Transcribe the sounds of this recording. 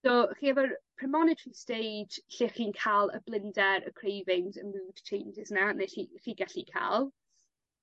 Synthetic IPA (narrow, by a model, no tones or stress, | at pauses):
soːχiːɛvərpʰrɛmɔnɪtʰɹistejd͡ʒɬɪχiːnkʰalˠə̰blˠɪndɛɾə̰kʰrejvɪnzəmuːd̥t͡ʃʰẽjnd͡ʒɪznaneɬiχiːɡaɬikʰa̰lˠ